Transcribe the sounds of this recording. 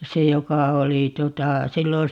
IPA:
se jokɑ oli tuotɑ silːon̞

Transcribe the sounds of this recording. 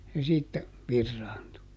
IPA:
se siːtːæ ʋirːɑːntu

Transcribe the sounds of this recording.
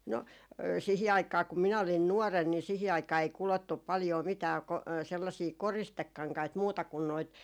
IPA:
no sihi ɑikˑɑː kum minæ olin nuɔren ni sihi ɑikˑɑː ei kulotːup̆ pɑljoː mitæː ko selːɑsiː koristekːɑŋkɑit muːtɑ kun noit

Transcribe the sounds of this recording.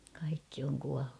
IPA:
kɑikːi oŋ kuɑlːu

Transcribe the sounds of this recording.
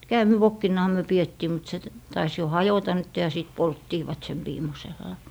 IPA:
kæːmiʋokːinːɑhɑ myø pietːiː mut se tɑis jo hɑjotɑ nytːe jɑ sitˑ poltːiːʋɑt sem ʋiːmoselːɑ

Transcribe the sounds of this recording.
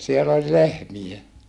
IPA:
siel olʲ lehmij̆e

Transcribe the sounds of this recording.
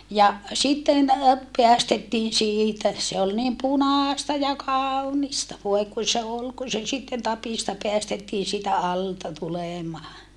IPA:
jɑ sitːen peæstetːiːn siːtæ se ol niːm punɑːstɑ jɑ kɑːunistɑ ʋoe kun̞ se ol ku se sitːen tɑpiˑstɑ peæstetːiːn siːtæ ɑltɑ tuleˑmɑː

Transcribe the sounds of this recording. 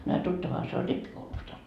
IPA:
no ɑ tutːɑʋɑhɑ se olʲ ripːikoulustɑ

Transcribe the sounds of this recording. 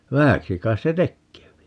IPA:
ʋæhæksi kɑis se tekːeːpi

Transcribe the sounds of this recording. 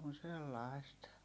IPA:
on̞ selːɑi̯st

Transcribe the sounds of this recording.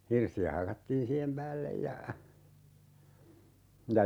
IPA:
hirsiæ hɑkɑtːiːn siːhem pæːlːej jɑ jɑ

